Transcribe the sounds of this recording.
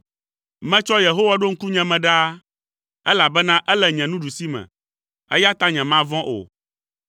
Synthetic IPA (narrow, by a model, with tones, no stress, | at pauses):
mɛ̃˦t͡ʃɔ˦je˨ɦo˦wa˦ɖo˦ŋ̩˦ku˦ɲɛ̃˨mɛ̃˨ɖa˦ | ɛ˦la˨bɛ˦nã˦ʔɛ˦lɛ˨ɲɛ̃˨nũ˦ɖu˨si˦mɛ̰̃˨ | ɛ̰˦ja˦t̪a˦ɲɛ̃˨mã˦vɔ̃˦ʔo̰˨